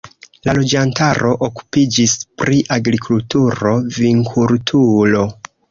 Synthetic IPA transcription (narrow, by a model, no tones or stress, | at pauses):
lalo̞d͡ʒantaɾʔo̞ʔoku̥pid͡ʒispɾʔiʔaɡɾikʰultuɾo̞viŋkʰultʰulo̞